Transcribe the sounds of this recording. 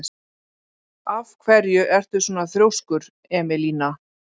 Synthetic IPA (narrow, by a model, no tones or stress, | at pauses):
avkʰvɛɾjʏʔɛr̥t̪ʏsɔːnaθɾjowskʏɾ | ɛːmɛliːna